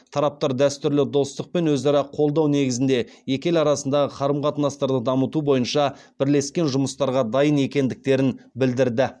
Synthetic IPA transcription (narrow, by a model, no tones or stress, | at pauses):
t̪ʰɑɾɑp̚t̪ɑɾd̪æst̪ʏɾlɪd̪o̞st̪əq̚pe̞nwɵzɑɾɑqʰo̞lˠd̪ɑwne̞ɡʲɪzɪnd̪e̞je̞kʲe̞lɑɾɑsənd̪ɑʁəqʰɑɾəmqʰɑt̪ənɑst̪ɑɾd̪əd̪ɑmət̪ubo̞jənʃɑ | b̥ɪɾle̞skʲe̞nʒʊməst̪ɑɾʁɑd̪ɑjəne̞kʲe̞nd̪ɪk̚t̪e̞ɾɪnbɪld̪ɪɾd̪ɪ